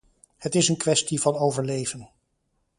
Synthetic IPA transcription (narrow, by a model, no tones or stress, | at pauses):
hətɪsənkʋɛstivɑnowvəɹlejvən